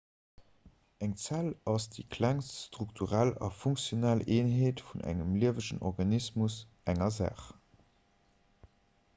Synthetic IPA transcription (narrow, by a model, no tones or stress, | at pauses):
æŋt͡sælɑsd̥ḭkʰlæŋsstʁuktʰuʁælɑ̰fuŋksjonælʔeːnɦeːtfunʔæ̰ŋəmliəvəʃənɔ̰ʁɡɑnismus | ʔæŋɐzæ̰ːχ